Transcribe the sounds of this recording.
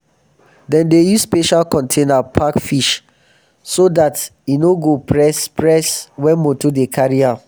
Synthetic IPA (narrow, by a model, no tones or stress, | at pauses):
dɛ̃ndejusspeʃalkɔ̃ntʰẽnapʰakfiʃ | sodatinoɡopɹɛspɹɛswɛ̃nmotodekʰaɹia